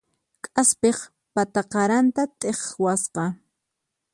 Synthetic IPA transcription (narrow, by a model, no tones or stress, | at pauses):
kʼaspeχ | pat̪aqɑɾant̪at̪ʼeχwasqɑ